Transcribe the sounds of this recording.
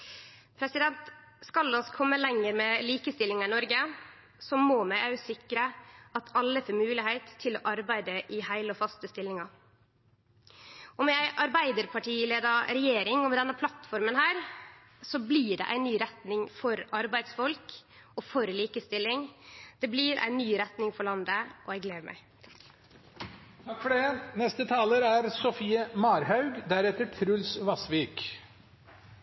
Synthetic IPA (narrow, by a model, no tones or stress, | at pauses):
pʰɾɛsɪd̪ɛnt̪ | skɑlɔskʰɔmːəlɛŋːəɾmɛliːkəst̪ɪlːɪŋɑɪnɔɾɡə | sɔmoːmæɪʔɑʉsɪkːɾəɑt̪ʰɑlːəfomʉːlɪhæɪt̪ʰːɪlɔ̰ːʔɑɾbæɪd̪əʔɪhæɪləɔfɑst̪əst̪ɪlːɪŋɑ | ɔmjæɪʔɑɾbæɪd̪əɾpʰɑʈʰiːleːd̪ɑɾɛjeːɾɪŋɔmɛd̪ɛnːəpʰlɑt̪fɔɾmənhæːɾ | sɔbliːɖɛ̰ʔæ̰ɪnyːɾɛt̪nɪŋfɔɾɑɾbæɪd̪sfɔlk | ɔfɔɾliːkəst̪ɪlːɪŋd̪̥ɛbliːɾʔæ̰ɪnːyːɾɛt̪nɪŋfɔɭɑnd̪əʔɔæɡleːd̪əmæ̰ɪ | t̪ʰɑkːfɔɖɛnɛst̪ət̪ʰɑːləɾæɾsɔfiːəmɑːɾhɑʉɡd̪æɾɛt̪ːəʈʰɾʉlsʋɑsʋiːk